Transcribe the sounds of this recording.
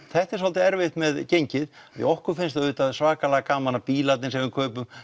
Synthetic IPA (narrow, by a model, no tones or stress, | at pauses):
θɛht̪ɛɾsalt̪ɪɛɾvɪht̪mɛðcejɲcɪð | aðjɪ̰ɔhkʏɾ̥fɪnst̪aðʏːt̪aðsvaːkalɛɣakaːmanapiːlat̪nɪnsɛmʏkʰœːpʏm